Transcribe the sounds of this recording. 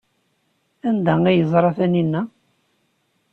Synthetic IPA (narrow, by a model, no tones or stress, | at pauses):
ænd̪æijəzˤɾˤɑθæninːæ